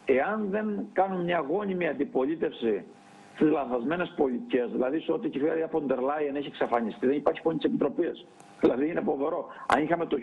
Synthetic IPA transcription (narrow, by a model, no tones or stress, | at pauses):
e̞ɐnðe̞ŋkɐnummɲɐɣo̞nimiɐnd̪ipo̞lit̪e̞fsi | st̪izlɐθɐzme̞ne̞spo̞lit̪iceɐzðilɐðiso̞t̪icefɐðiɐpond̪eɾlɐjeneçieksɐfɐɲist̪iðenipɐɾçi̥pont̪spit̪ɾo̞pis | ðilɐðiinepo̞ðoɾo̞ɐ̰nixɐme̞t̪o